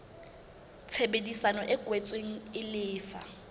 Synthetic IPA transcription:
t͡sʰebedisanɔʔɪɡʼwɛt͡sʼweŋ̩ɪlɪːfa̰

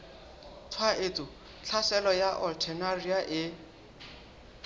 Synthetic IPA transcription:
t͡sʰwaʔetʼʊ | t͡ɬʰasɛlɔjaʔɔltʰɛnariaʔɪ

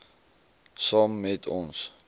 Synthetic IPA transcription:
sɔmːɛtʰɔ̰̃ns

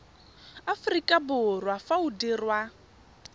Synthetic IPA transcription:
afrikʼabʊrwafaudirwa

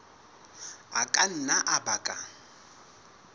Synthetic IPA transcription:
akʼan̩naʔabakʼa

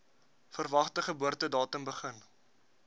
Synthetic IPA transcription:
fərvɐχtəχəbuərtədɑːtəmbəχən

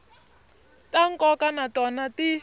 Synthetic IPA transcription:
taŋkʼɔkanatɔnati

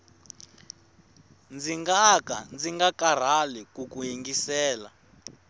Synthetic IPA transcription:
nd͡ziŋɡakand͡ziŋɡakar̤alikukujiŋɡisɛːla̰

